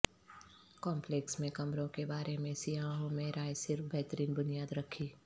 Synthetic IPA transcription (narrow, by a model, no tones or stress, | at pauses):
kɔːmpleːksmẽkɐmɾõkebaːɾemẽsiaːɦõmẽɾaːjsɪɾfbʱɛɦt̪əɾiːnbʊnijaːd̪ɾɐkʰiː